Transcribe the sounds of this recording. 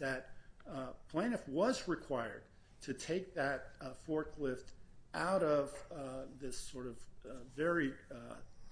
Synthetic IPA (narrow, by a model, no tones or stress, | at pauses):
ðɨt̚ | pʰl̥ẽɪ̃nɨfwʌzɹɨkʰw̥aɪə̰˞d̥̚ | tʰɨtʰeɪk̚ðɨt̚fɔɹkʰlɪftʔaʊɾʌvðɪsɔɹɾʌvvɛɹi